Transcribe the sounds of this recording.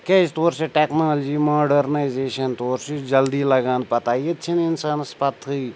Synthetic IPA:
keɪst̪oːɾseʈeːknaːld͡ʒimoːɖəɾnaːɪzeːʃənt̪oːɾsid͡ʒɐld̪ilɐɡãːn̚pɐt̪aːjet͡ʃʰinɪnsaːnspɐt̪ʰːɦui

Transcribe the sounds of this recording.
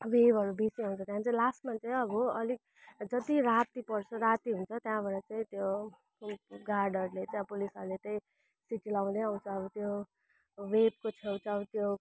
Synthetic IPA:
webʱʌɾubʱisiaw̃nt͡sʰʌt̪jãt͡saĩlasʈmant͡saĩʌbʌʌlik̚ | d͡zʌt̪iɾat̪ipʌrt͡sʰʌɾat̪iɦunt͡sʰʌt̪jãbʌɾʌt͡saĩt̪jo | ɡarɖʌrlet̪jãpulisʌɾulet̪ʌĩ | siʈilaw̃d̪eaw̃t͡sʰʌːbʌt̪jo | web̚kot͡sʰewt͡saʌt̪jo

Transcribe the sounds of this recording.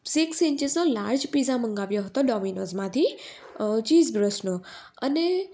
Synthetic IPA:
sɪksɪ̃ɲt͡ʃɪznolaɾd͡ʒpizãməŋɡaʋjoɦət̪oɖɔminozmãt̪ʰi | t͡ʃizbɾəsno | əne

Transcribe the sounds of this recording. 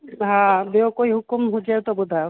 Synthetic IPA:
ɦãbeokoiɦukumɦud͡ʒɛt̪ɔbud̪ʱa

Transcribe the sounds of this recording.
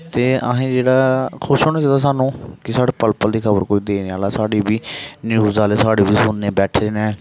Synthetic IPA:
t̪eːə̰ɦẽːd͡ʒeːɽaːkʰʊʃɦoːnaːt͡ʃaːd̪aːs̬aːnũːkɪsaːɽeːpəlpəld̪iːkʰəbə̰ɾkoːiːd̪eːniːaːlaːsaːɽeːbiːnjuːzaːleːsaːɽeːbiːsuːnːeːbɛːʈʰeːnɛ̃ː

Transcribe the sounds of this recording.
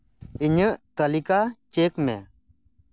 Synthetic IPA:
iɲəʔt̪əlikat͡ʃekmɛ̰

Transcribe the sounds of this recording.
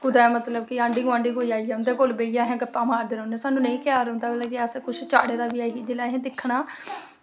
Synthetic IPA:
kʊd̪aːmət̪ləb̚kɪãːɳɖiːɡʊaːɳɖiːkoːiaːijaʊ̃nd̪eːkoːlbeːijãːɦɛ̃ːɡət̪ːãːmaːɾd̪eːɾə̃ːnɛ̃ːsaːnːũːnəĩːkjaːɾə̃ʊ̃ːnd̪aːbəlaːkɪaskʊt͡ʃʰt͡ʃa̰ːɽeːd̪aːʋɪaːɦiːd͡ʒeːlaːɦɛ̃ːd̪ɪkʰːɳaː

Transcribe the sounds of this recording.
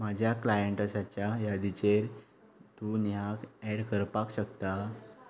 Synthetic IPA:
mad͡ʑʱjaklajəɳʈasat͡ɕjajad̪it͡ɕeɾ | t̪unjakɛɽkəɾpakɕəkt̪a

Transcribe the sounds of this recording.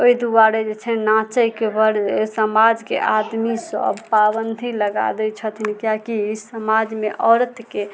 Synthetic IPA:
oid̪ubaɾed͡ʒet͡ʃʰɛnat͡ʃəjkebəɾsəmad͡ʒkḛʔad̪misə̰bpabənd̪ʱiləɡa̰d̪ɛt͡ʃʰət̪ʰinikjakisəmad͡ʒmeʔɔɾt̪ʰke

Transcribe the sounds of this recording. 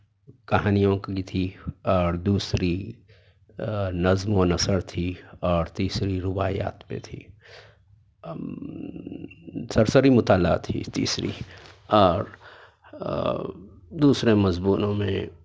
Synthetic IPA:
kɐɦaːnijõkkit̪ʰiɔːɾd̪uːsɾi | nɐzmonɐsəɾt̪ʰiɔːɾt̪iːsɾiɾʊbaːja̰ːt̪pḛt̪ʰiː | sɐɾsəɾimʊt̪aːla̰ːt̪ʰːḭt̪ḭːsɾḭɔːɾ | d̪uːsɾemɐzbuːnõmḛ̃

